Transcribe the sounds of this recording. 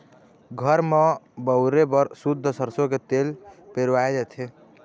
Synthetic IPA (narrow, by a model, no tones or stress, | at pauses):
ɡʱəɾmebəʊɾebəɾsud̪ʱːəsəɾsoket̪elpeɾʋaed͡ʒɛt̪ʰe